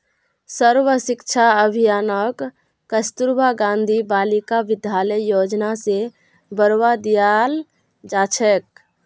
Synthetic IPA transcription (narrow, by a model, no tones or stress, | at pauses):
səɾʋəsikt͡ʃʰaəbʱijaːnəkː | əst̪uɾbaɡãnd̪ʱibaːlikaʋɪd̪ʱjaləjːod͡ʒnase | bəɾwad̪ijal | d͡ʒat͡ʃʰɛk̚